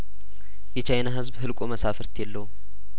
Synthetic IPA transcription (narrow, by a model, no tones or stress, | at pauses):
jɛt͡ʃʰajnaɦɨzbɦɨlkʷʼoməsafəɾt̪ʰjɛlːəhu